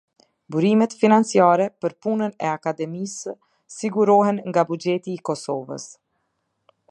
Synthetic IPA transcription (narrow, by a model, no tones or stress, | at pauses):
buɾimɛt̪finant͡siaɾɛpəɾpunənɛakad̪ɛmisː | iɡuɾɔɦɛnŋɡabud͡ʒɛt̪iːkɔsɔvə̰s